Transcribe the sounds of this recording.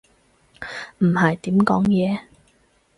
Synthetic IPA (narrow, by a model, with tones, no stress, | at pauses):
m̩˨˩hɐ˨jt̪iː˨˥mkɔː˨˥ŋjɛː˨˧